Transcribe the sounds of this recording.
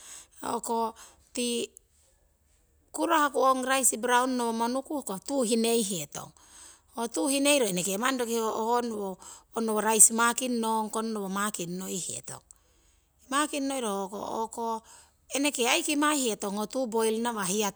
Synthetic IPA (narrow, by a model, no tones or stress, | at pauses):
o̰ko | ti | kuɾahakuoŋɾajsibɾaunːoβomonukuhkotuɦine̞jɦieto̰ŋ | otuhine̞jɾoenekemandokiooonoːnoβoɾajsmakinːoŋkonːoβomakinːojhiḛto̞̰ŋ | imakinːo̞jɾoko̰o̰ko | enekeajkimahieto̞ŋotubojlnaβahia